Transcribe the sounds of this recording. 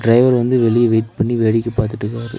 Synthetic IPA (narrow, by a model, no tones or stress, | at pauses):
ɖɾɐɪʋɐɾʋɐnd̪ɯʋɛɭɪjɐʋeːʈ̚pɐɳːiʋeːɽɪkːɯpːaːɾt̪ɯʈːɯkːɾaːɾɯ̰